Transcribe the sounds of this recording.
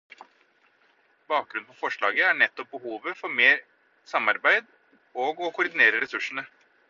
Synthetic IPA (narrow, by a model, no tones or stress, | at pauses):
b̥ɑːk̚ɡɾʉnpʰɔfɔʂɭɑ̰ːɡəæɳɛt̪ːɔp̚bəhuːʋəfɔɾmeːɾ | sɑmɑɾbæɪd̪ | oːɡɔkʰʊɾd̪ɪneːɾəɾɛsʉʂɳ̩ə